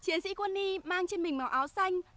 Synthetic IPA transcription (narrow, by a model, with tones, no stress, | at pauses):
t͡ɕi˨˦ənsḭ˧˥kwə˧nːi˧maː˧ŋt͡ɕe˧nmï˨˩ŋ̟ma˨˦wʔaː˨˦wsa˧jŋ̟